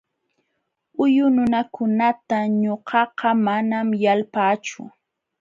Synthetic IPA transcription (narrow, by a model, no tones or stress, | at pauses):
ʊjʊnʊnakʊnat̪aɲoɢɑqɑmanamjalpaːt͡ʃʊ̰